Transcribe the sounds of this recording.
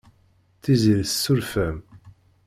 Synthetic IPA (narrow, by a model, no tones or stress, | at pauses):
θizilssːuɾfæm